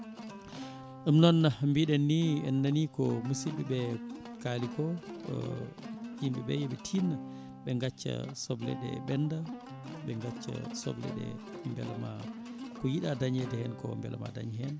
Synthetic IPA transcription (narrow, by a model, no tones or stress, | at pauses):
ʔumnɔnːambiɗɛnːiɛnːanikɔmusiɓiɓɛkalikɔ | jimɓɛɓɛ̰jɛɓɛtʰinːa | ɓɛŋɡat͡ʃːa̰sɔblɛ̰ɗɛ̰bɛnda | ɓɛŋɡat͡ʃːa̰sɔ̰blɛ̰ɗɛ̰ | mbɛ̰lmakɔjiɗadaɲɛdɛhɛnkɔ̰mbɛ̰lma̰daɲhɛn